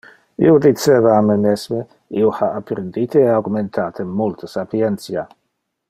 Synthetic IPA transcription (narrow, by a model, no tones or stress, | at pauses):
ḭod̪it͡seːvaːmemesme | iohaapːɾend̪it̪ʰeeaɡument̪ʰaːt̪ʰəmult̪ʰəsapiɛnt̪sja